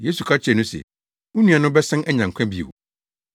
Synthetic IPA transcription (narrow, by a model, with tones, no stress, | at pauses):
je˦su˨kʰa˦t͡ɕʰɪ˨ɛ˨nʊ̃˦sɛ̰˨ | ʊ̃˦nũ˦a˨nʊ̃˦bɛ˦sɛ̃˦nʔɛ˦ɲã˨ŋkʷʰã˦bi˨ḛ˨w